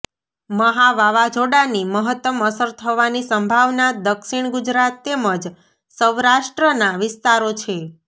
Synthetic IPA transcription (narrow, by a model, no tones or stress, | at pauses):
məɦaʋaʋad͡ʒoɽaniməɦət̪ːəməsəɾt̪ʰəʋanisəmbʱaʋnad̪əkʃiɳ̃ɡud͡ʒɾat̪ːeməd͡ʒ | səʋɾaʃʈɾənaʋɪst̪aɾot͡ʃʰe